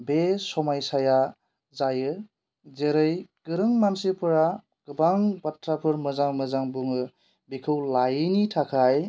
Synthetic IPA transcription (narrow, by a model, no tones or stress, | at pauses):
besɔmajsaja | zajɯ | zeɾɯjɡ̥ɯɾɯŋmansipʰɯɾa | ɡ̥ɯbaŋbatʰːɾapʰɯɾmɯzaŋmɯzaŋbuŋɯ | bikʰɯwlajɯnitʰakʰaj